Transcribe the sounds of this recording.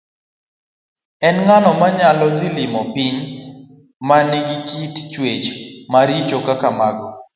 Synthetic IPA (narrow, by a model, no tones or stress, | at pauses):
ɛnŋanɔmaɲalɔd̪ɪlɪmɔpɪɲ | manɪɡɪkitt͡ʃwet͡ʃmaɾit͡ʃokakamaɡɔ